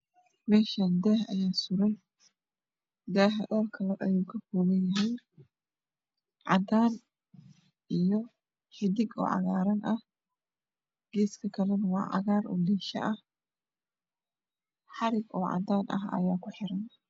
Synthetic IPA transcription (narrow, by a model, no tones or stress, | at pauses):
mɛːʃand̪ɛːhɐ̰jaːsʊɾɛj | d̪aːɦɐd̪ɐlkʰɐlɛʔɐjuːkʰɐfɔːɣɐnjɐɦɛj | ʕɑ̰d̪aːn | ʔijɔ | ħɪd̪ɪɡɔ̰ːʕɑ̰ɣaːɾɐnʔɐh | ɡ̥ɛːskʰɐkʰɐlɐnɐwɑːʕɑ̰ɣaːɾʔɔ̰ːd̪ɛːʃɐ̰ʔɐh | ħɑɾɪɡɔːʕɑ̰d̪aːnʔɐ̰ɦɐ̰jaːkʰʊħɪɾɐn